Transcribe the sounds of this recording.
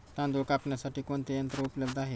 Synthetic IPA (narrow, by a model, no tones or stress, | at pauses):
t̪ãnd̪okapɳjasaʈiːkoɳt̪ejənt̪ɾəupləbd̪aɦe